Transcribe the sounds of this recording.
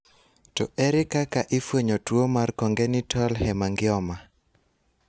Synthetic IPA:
tɔ̰ʔɛɾɪkakaʔɪfwoɲotwomarkɔŋɡenɪtʰɔlhɛmaŋɡɪɔma

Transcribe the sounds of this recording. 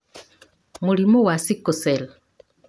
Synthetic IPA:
mulimowasikosela

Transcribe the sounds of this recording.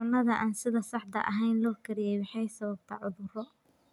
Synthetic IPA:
ʊnːɐðɐʔaːnsɪðɐsɑħt̪ɐ̰ʔɐ̰ɦɛjnlɔːkʰɐɾɪjɛjwɑħɑjsɐβɐb̚t̪ʰɐ̰ːʕʊðʊrɔ

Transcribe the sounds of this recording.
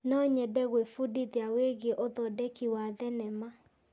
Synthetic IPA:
nɔɲɛdɛɣwefudiðjaweɣeʔoðɔdekiwaðɛnɛma

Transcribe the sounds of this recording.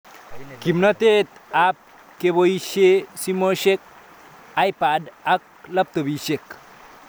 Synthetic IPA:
kimnɐt̪et̪ap̚ | keboiʃesimoʃek̚ | ajpadɐk̚ | lɐp̚t̪obiʃek

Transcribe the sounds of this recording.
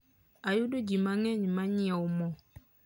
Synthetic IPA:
ajudod͡ʒimãŋɛ̃ɲĩmãɲĩɛwʊmɔ̃

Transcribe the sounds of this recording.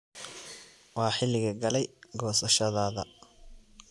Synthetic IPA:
wɑːħɪlːɪɣɐɡɐlɛjɡɔːsɐʃɐðaːðɐ

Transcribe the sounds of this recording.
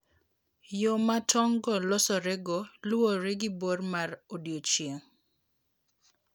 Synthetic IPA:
jomatʰɔŋɡɔlɔsɔɾɛɡoloɾeɡɪbormarodjot͡ʃjeŋ

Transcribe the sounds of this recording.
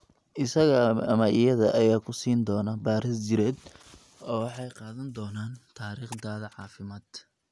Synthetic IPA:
ʔɪsɐɣɐɐmɐʔɪjɐðɐʔɐjaːkʰʊsiːnd̪ɔːnɐbaːɾɪsd͡ʒɪɾɛːd̪ | ɔːwɑħɑjqɑːðɐnd̪ɔːnaːnt̪ʰaːɾiːχd̪aːðɐʕɑːfɪmaːd̪

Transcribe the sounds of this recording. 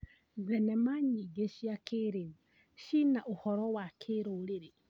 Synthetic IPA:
ðɛnɛmaɲiɡeʃiakʰeɾe | ʃinaʔohɔɾɔwakʰeɾoɾeɾe

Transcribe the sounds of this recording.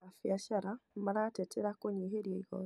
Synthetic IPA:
afjaʃaɾamaɾatɛtʰɛɾakoɲeɦeɾjeiɣɔ̰

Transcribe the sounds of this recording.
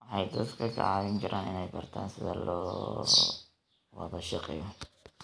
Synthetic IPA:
wɑħɑjd̪ɐd̪kʰɐkʰɐ̰ʕɑːβɪŋkʰɐɾʔaːnɪnɛjbɐrt̪ʰa̰ːnsɪðɐ̰lʔɔ̰ː | wɐ̰ðɐʃɑqɛ̰jɔ

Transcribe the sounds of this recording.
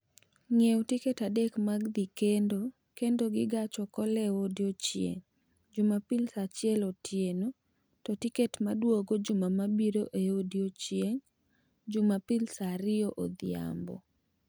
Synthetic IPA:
ŋewtiketadekmaɡd̪ikendo | kendoɡɪɡat͡ʃɔkɔlɛodjot͡ʃjḛŋ | d͡ʒʊmapɪlsat͡ʃɪɛlɔtʰjeno | tɔtiketmadwoɡod͡ʒʊmamabiɾoʔeodjot͡ʃjeŋ | d͡ʒʊmapɪlsaɾɪoʔod̪ɪa̰mbɔ̰

